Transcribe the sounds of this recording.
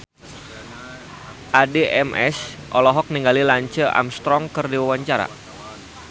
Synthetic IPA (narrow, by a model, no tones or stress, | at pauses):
ʔadeʔɛmʔɛ̰sʔɔlɔɦɔk̚niŋɡalilaɲt͡ʃəʔa̰mst̪ɾɔŋkərdiwawaɲt͡ʃaɾa̰